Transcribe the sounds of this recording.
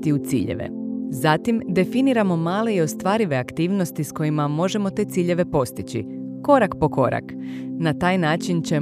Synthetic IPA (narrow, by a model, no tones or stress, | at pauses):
t̪iut̪sḭːʎḛʋḛzat̪imd̪e̞finiɾamo̞maːleio̞st̪ʋaːɾiʋe̞akt̪iːʋno̞st̪isko̞jimamo̞ʒe̞mo̞t̪e̞ːt̪siːʎe̞ʋe̞po̞st̪it͡ɕḭ | ko̞ɾakpo̞ko̞ɾa̰knat̪aːjnaːt͡ʃint͡ɕe̞